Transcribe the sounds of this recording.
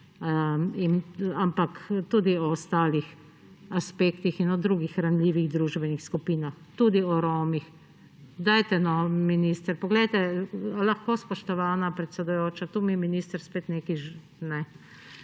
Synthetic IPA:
inampakt̪uːd̪iɔst̪aːlix | aspeːkt̪ixinɔd̪ɾuːɡixɾanlʲiːʋiɣd̪ɾuːʒbɛnixskupiːnaxt̪uːd̪iɔɾoːmix | d̪ajt̪ɛnɔminist̪əɾpɔɡlɛjt̪ɛlaxkospɔʃt̪ɔʋaːnapɾɛt̪sɛd̪ʊjoːt͡ʃat̪uːmiɛminiːst̪əɾspeːt̪neːkiʒ | nɛ

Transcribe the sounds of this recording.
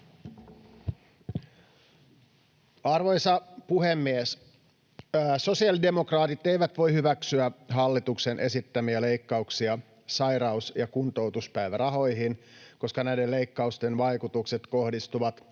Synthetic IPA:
ɑrʋo̞jsɑpuɦemːies | so̞siɑlidemo̞krɑːt̪it̪ejʋæt̪ʋo̞jhyʋæksyæɦɑlːit̪ukse̞nʔe̞sit̪ːæmiæle̞jkːɑuksiɑ | sɑjɾɑusjɑkunt̪o̞wt̪uspæjʋæɾɑɦo̞jɦinko̞skɑnæjdele̞ikːɑust̪e̞nʋɑjkut̪ukse̞t̪ko̞hdist̪uʋɑt̪

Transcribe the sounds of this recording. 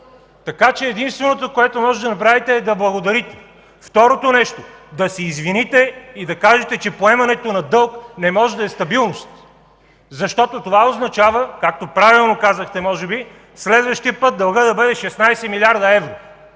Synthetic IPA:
t̪ɐkat͡ʃɛːd̪inst̪vɛnot̪okoɛt̪omɔʒɛd̪ɐnɐp̬ɾavit̪ɛːd̪ɐblˠɐɡod̪ɐɾit̪ɛ̥ | ft̪ɔɾot̪onɛʃt̪od̪ɐsɛizvinit̪ɛid̪ɐkaʒɛt̪ɛt͡ʃɛpoɛmɐnɛt̪onɐd̪ɤlˠknɛmɔʒɛd̪ɐɛst̪ɐbilˠnost̪ | zɐʃt̪ɔt̪ot̪ovaoznɐt͡ʃavəkak̚t̪opɾavilˠnokazəxt̪ɛmɔʒɛbi | slɛd̪vəʃt̪iəpɤt̪̚d̪ɐlˠɡəd̪ɐbɤd̪ɛʃɛsnajsɛmilʲaɾd̪ɐɛvɾo

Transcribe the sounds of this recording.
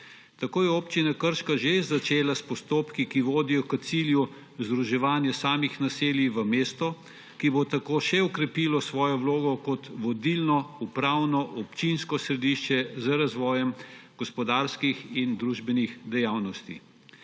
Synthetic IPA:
t̪akoːjɛoːpt͡ʃinakəɾʃkaʒezːat͡ʃeːlaspɔst̪oːpkikiʋoːd̪ijɔkət̪silju | zd̪ɾuʒɛʋaːnjɛsaːmixnaseːljiʋəmeːst̪ɔ | kibot̪akoːʃɛɔkɾɛpiːlɔsʋɔːjɔwloːɡɔkɔt̪ʋɔd̪ilnɔupɾaːwnɔʔɔpt͡ʃinskɔsɾɛd̪iʃt͡ʃɛzəɾazʋɔːjɛmɡ̥ɔspɔd̪aːɾskixind̪ɾuːʒbɛnixd̪ɛjaːwnɔst̪ḭ

